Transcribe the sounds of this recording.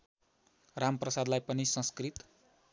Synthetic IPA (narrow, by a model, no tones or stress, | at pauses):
ramprʌsad̪lajpʌnisʌ̃skrit̪